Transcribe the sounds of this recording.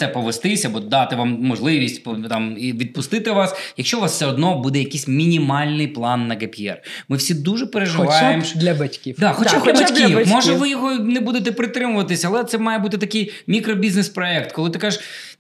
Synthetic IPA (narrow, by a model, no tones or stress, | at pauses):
t̪sɛpɔʋest̪ɪsʲɐbɔd̪ɑt̪ɪʋɑmmɔʒlˠɪʋʲisʲtʲpt̪ɑmiʋʲid̪̚pʊst̪ɪt̪ɪʋɑsjɐkʃt͡ʃɔʋɑsfsɛɔd̪nɔbud̪ɛjɐkijsʲmʲinʲimɑlʲnɪjplˠɑnːɐɡepiɛ̰rmɪwsʲid̪uʒɛpeɾeʒɪʋɑjemd̪lʲɐbɐtʲkʲifd̪ɑxɔt͡ʃaxɔbɐkʲifmmɔʒɛʋɪjɔɦɔnɛbud̪et̪ɛpɾɪt̪ɾɪmʊʋɐt̪ɪsʲɐlˠɛt̪sɛmɑjɛbut̪ɪt̪ɐkɪjmʲikɾɔbʲiznespɾɔɛk̚t̪kɔlˠɪt̪ɪkɑʒɪʃ